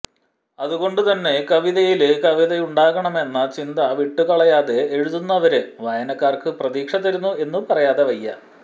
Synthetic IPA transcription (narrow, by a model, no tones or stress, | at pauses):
ɐðuɣo̞ɳɖut̪ɐnːe̞kɐʋiðɐjilkɐʋiðɐjuɳɖaːɣɐɳɐme̞nːɐt͡ɕind̪ɐʋiʈːukɐɭɐjaːðe̞ːɻuðunːɐʋɐɾɨʋɐjɐnɐkːaːrkɨprɐðiːkʂɐt̪ːɐɾunːue̞nːupɐrɐjaːðe̞ʋɐjːɐ̰